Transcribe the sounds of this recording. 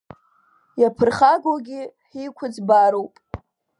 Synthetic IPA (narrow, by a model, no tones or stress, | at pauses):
japʰɨrχaɡʷoɡʲiħikʷʰʊd͡zbaɾowpʼ